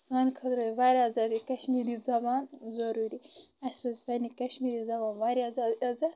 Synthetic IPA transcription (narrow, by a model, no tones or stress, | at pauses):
saːnkʰɐt̪ɾɐʋaːɾʲiazaːd̪ikɐʃmiɾizɐbaːnzɐɾuɾiɐsbɐsbɐnikɐʃmiːɾizɐbaːnʋaːɾiazaazɐd̪